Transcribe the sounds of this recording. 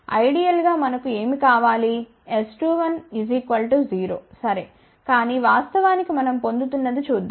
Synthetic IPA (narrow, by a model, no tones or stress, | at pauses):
ɐ̰jɽijɐlɡaːmɐnɐkue̞ːmikaːʋaːli | esʈuːʋɐnʋizikʋɐlʈuziːɾoːsɐɾe | kaːniːʋaːst̪ɐʋaːnikimɐnɐmpo̞nd̪ut̪unːɐd̪it͡ʃuːd̪ːa